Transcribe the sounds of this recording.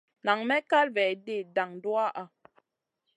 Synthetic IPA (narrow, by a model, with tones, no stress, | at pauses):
na˨ŋmɛ˦ka˦lvɛ˨de˦˨da˨ŋdwa˦ʔa˦˨